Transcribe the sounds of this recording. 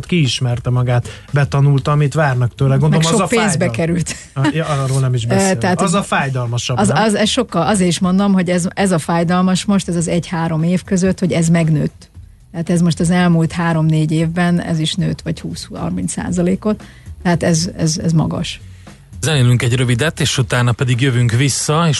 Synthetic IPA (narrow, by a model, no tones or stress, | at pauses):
t̪kiːʃmɛrt̪ɛmɒɡaːt̪ | bɛt̪ɒnult̪ɒmit̪ʋaːrnɒkt̪øːlɛɡondolkʃopeːnzzbɛkɛɾylt̪ | jɾoːlnɛmiʒbɛɛat̪ɒzɒfaːjd̪ɒlmɒʃɒbzzɛsʃo̞kːɒlɒzeːɾiʃmo̞nd̪o̞mɦo̞ɟɛzɛzɒfaːjd̪ɒlmɒʃmo̞ʃt̪ɛzɒzɛɟhaːɾo̞meːfkøzøt̪ho̞ɟɛzmɛɡnø̰ːt̪ː | ɛɦat̪ɛzmo̞ʃt̪ɒzɛlmuːlt̪haːɾo̞mneːɟeːvbɛnɛ̰ziʃnø̰ːt̪ʋɒchuːsɒ̰rmint̪sa̰ːzɒleːko̞t̪ː | ɛɦat̪ɛzɛ̰zɛ̰zmɒ̰ɡɒ̰ʃ | zɛneːlyŋkɛɟrø̞vid̪ɛt̪ːeːʃut̪aːnɒpɛd̪iɡjøvyŋkʋisːɒeːʃ